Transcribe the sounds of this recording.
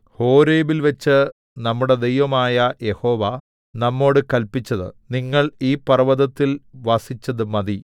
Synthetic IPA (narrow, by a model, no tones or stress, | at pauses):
ho̞ːɾeːbilʋɐt͡ɕːɨ | nɐmːuɽe̞d̪e̞jʋɐmaːjɐje̞ho̞ːʋɐ | nɐmːo̞ːɽɨkɐlpit͡ɕːɐðɨ̰niŋːɐɭiːpɐrɐʋɐðɐt̪ːilʋɐsit͡ɕːɐðɨmɐði